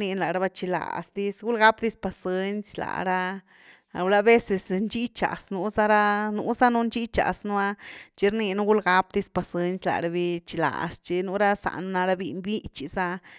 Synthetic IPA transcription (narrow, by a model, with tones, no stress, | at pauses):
ni˧nla˨ɾa˧ba˧t͡ʃi˧la̰˨sd̪i˧sɡu˦lɡa˦pd̪i˦spa˧se˦nsʲla̰˨ɾa˧ | a̰˨wla˦be˦se˧snt͡ʃi˦t͡ʃa̰˨snu˧˦za˦ɾa˦nu˧˦za˦nu˦nt͡ʃi˦t͡ʃa̰˨snu˧˦a˦t͡ʃi˧˦ɾni˧nu˦ɡu˦lɡa˧˦p̚d̪i˧spa˨se˦nsʲla̰˧˨ɾa˧bi˧t͡ʃi˧la̰˨st͡ʃe˧nu˦ɾa˦sa̰˨nu˧˦na˧ɾa˧bi˧nbi˦t͡ʃi˧sa˧